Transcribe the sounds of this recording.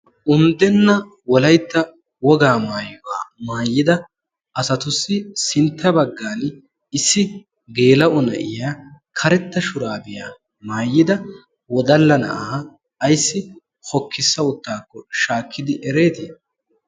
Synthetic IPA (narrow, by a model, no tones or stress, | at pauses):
ʔʊnd̪ɛnːɐ | wɔlɐjt̪ːɐ | wɔɡaːmaːjʊwa̰ːmaːjːɪd̪ɐ | ʔɐsɐt̪ʊsːɪsɪnt̪ːɐbɐɡːaːnɪ | ɪsːɪ | ɡe̞ːlɐʔʊnɐ̰ʔɪjaːkʰɐɾɛt̪ːɐʃʊɾaːbɪjaː | maːjːɪd̪ɐ | wɔd̪ɐlːɐnɐ̰ʔaː | jsːɪ | hɔkːɪsːɐʊt̪ːaːkːɔʃaːkʰːɪd̪ɪʔɛɾe̞ːt̪ɪ